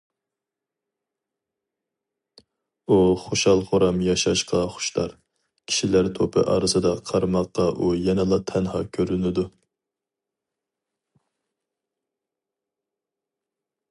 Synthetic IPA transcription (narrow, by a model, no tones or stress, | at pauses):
uχoʃɑlˠχoɾɑmjɑʃɑʃqɑχʊ̥ʃt̪ɑɾ | kʲʰi̥ʃilæɾt̪ʰopʰɨ̰ʔɑ̰ːɾɨsɨd̪ɑqʰɑɾmɑqːɑʔujɛnɨlˠɑt̪ʰɛnhɑkʲʰøɾynɪd̪u